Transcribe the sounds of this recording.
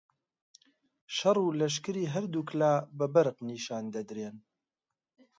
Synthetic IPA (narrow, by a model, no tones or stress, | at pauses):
ʃɐrˤuːlɐʃ̬kɨɾiːɦɐɾd̪uːklaːbɐbɐɾqniːʃaːnd̪ɐd̪ɾeːn